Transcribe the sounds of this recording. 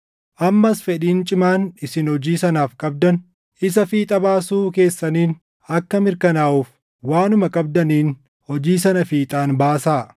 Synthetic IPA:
ʔɐmːɐsfɛᶑiːnt͡ʃʼɪmaːnɪsɪnhɔd͡ʒiːsɐnaːfkʼɐb̚d̪ɐn | ɪs̬ɐfiːt̪ʼɐbaːsuːke̞ːsːɐniːn | ɐkːɐmɪɾkɐnaːʔuːf | waːnʊmɐkʼɐb̚d̪ɐniːn | hɔd͡ʒiːsɐnɐfiːt̪ʼaːnbaːsaː

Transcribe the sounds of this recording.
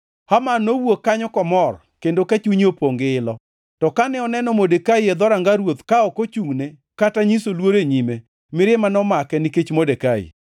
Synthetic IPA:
hamanowokːaɲɔkɔmɔr | kendokat͡ʃuɲopoŋɡɪːlɔ | tɔkanɛɔnɛnɔmodekaiɛd̪ɔɾaŋɡaɾwot̪kaɔkot͡ʃuŋne | kataɲisolwoɾeɲime | mɪɾɪmanɔmakɛniket͡ʃmodekaḭ

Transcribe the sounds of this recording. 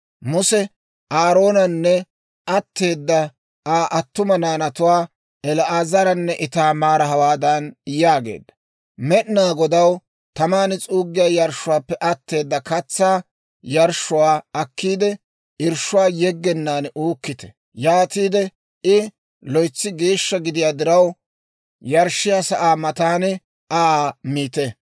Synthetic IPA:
mʊsɛ | ʔaːɾo̞ːnɐnːɛ | ʔɐt̪ːe̞ːd̪ːɐ | aːʔɐt̪ːʊmɐnaːnɐt̪ʊwaː | ɛlʔaːzɐɾɐnːɛʔɪt̪aːmaːɾɐɦɐwaːd̪ɐnjaːɡḛːd̪ːɐ̥ | mɛʔnaːɡɔd̪ɐw | t̪ɐmaːnɪt͡sʼuːɡːɪjaːjɐɾʃʊwaːpːɛʔɐt̪ːe̞ːd̪ːɐkɐt͡sːaː | jɐɾʃːʊwaːɐkːiːd̪ɛ | ɪɾʃʊwaːjɛɡːɛnːaːnʔuːkːɪt̪ɛ̥ | jaːt̪iːd̪ɛ | ʔɪ | lɔjt͡sːɪɡeːʃːɐɡɪd̪ɪjaːd̪ɪɾɐw | jɐɾʃɪjaːsɐʔaːmɐt̪aːnɛ | ʔaːmiːt̪ɛ

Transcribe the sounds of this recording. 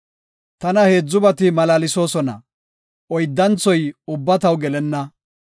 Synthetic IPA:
t̪ɐnɐhe̞ːd͡zːʊbɐt̪ɪmɐlaːlɪso̞ːsɔnɐ̰ | ɔjd̪ːɐnt͡sːɔjʊbːɐt̪ɐwɡɛlɛnːɐ

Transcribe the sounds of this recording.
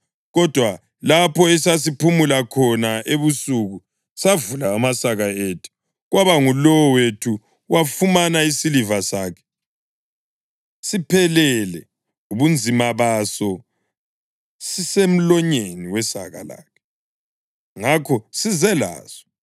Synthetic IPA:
ɣɔd̥ʱwa | lapʰɔɛsas̬ipʰumulakʰɔnaʔeβusuɣu | savulaːmasaɣaetʰu̥ | ɣwaβaŋulɔwɔwetʰu | wafumanaisilivasaːkʰɛ̥ | sipʰɛlɛlɛ | uβund͡zʱimaβasɔ | sisem̩lɔɲeniwɛsa̰ɣa̰la̰ːkʰɛ̥ | ŋakʰɔsizɛla̰ːsɔ̥

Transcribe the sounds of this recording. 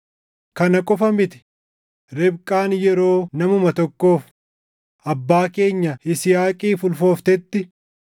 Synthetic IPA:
kɐnɐkʼʊfɐmɪt̪ɪ̥ | ɾɛbkʼaːnjɛɾo̞ːnɐmʊmɐt̪ɔkːo̞ːf | ʔɐbːaːke̞ːɲːɐɪsɪjaːkʼiːfʊlfo̞ːft̪ɛt̪ːɪ

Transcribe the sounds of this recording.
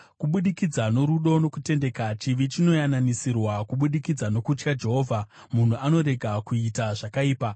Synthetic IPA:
kuɓuɗikid͡zano̞ɾuɗo̞no̞kute̞nde̞kat͡ʃiʋit͡ʃino̞jananisirwakuɓuɗikid͡zano̞kut͡ʃkad͡ʒe̞ɦo̞ːvʱa | mun̤uano̞ɾe̞ɡʱakuitaʐakaiːpa

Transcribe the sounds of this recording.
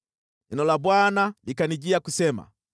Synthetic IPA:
ɛnɔlabwanalikaniɟiakusɛma̰

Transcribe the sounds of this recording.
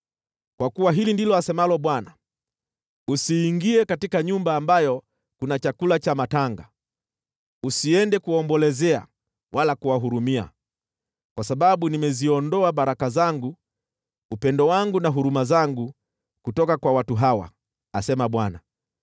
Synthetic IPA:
kwakuwaɦilindilɔasɛmalɔɓwana | usiːŋɡiɛkatikaɲumbaːmbajɔ | kunat͡ʃakulat͡ʃamataŋɡa | usiɛndɛkuwaɔːmbɔlɛzɛa̰ | wʔalakuwaɦuɾumia̰ | kwasaɓaɓunimɛziɔndɔaɓaɾakazaŋɡu | upɛndɔwaŋɡunaɦuɾumazaŋɡu | kutɔkakwawatuɦawa̰ | a̰sɛmaɓwana

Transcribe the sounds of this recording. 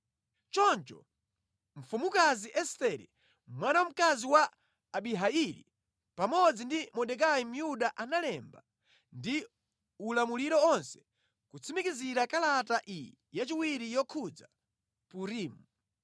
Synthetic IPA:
t͡ʃɔnt͡ʃɔ̰ | ɱ̩fumukaziʔɛstɛɾḭ | mwanawam̩kaziwaː | ɓiɦailḭ | pamɔd͡zindimɔɗɛk̬ajim̩juɗaʔanalɛmba | ndi | ulamuliɾɔɔnsɛ̥ | kut͡sʰimikiziɾakalataʔi | jat͡ʃiwiɾijɔkʰud͡za̰ | puɾiːmu

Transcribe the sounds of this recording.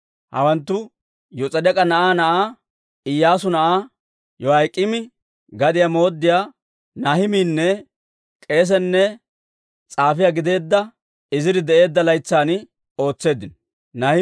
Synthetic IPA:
hɐ̰wɐnt̪ːʊ | jɔt͡sʼɐd̪ɛkʼɐnɐʔaːnɐʔaː | ɪjːaːsʊnɐʔaː | jɔhɐjkʼːɪmɪ | ɡɐd̪ɪjamo̞ːd̪ːɪjaː | nɐhɪmiːnːɛ | kʼe̞ːs̬ɛnːɛ | t͡sʼaːfɪjaɡɪd̪e̞ːd̪ːɐ | ɪzɪd̪ɪd̪ɛʔe̞ːd̪ːɐlɐjt͡sːaːn | o̞ːt͡sːe̞ːd̪ɪn | nɐhɪ

